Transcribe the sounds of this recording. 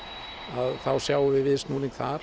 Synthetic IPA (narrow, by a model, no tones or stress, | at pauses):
aðθawsjaːwʏvɪvɪðsnuːniŋkθaɾ